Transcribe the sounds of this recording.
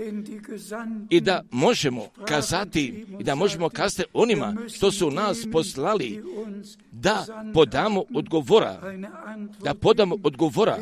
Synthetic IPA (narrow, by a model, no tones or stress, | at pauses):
id̪amo̞ʒemo̰kazat̪iːd̪amo̞ʒe̞mo̞kazat̪iʔo̞nima̰ʃt̪o̞sunaːspo̞slali | d̪apod̪amood̪ɡoʋoɾa̰ | d̪̥apo̞d̪amoʔod̪ɡoʋoɾa̰